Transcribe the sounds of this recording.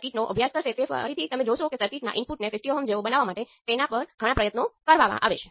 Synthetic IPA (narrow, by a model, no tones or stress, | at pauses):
kiʈnoʔə̰bʱjask̪ʰəɾʃet̪efə̰ə̰ɾit̪ʰit̪əmed͡ʒoʃokesəɾkiʈna̰ʔɪnpuʈnefɪfʈioɦəmd͡ʒeʋobənaʋːamaʈet̪enapəɾɡʱəɽ̃apɾəjət̪nokəɾʋamã̰ʔa̰ʋet͡ʃʰe̥